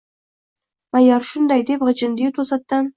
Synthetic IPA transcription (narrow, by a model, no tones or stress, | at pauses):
mɑjɑɾʃund̪ɑjd̪epʁət͡ʃɨnd̪et̪ʰosɑt̪ːɑn